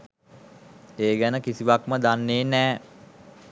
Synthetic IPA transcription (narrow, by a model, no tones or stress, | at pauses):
eːɡænəkisiʋakməd̪anːeːnɛː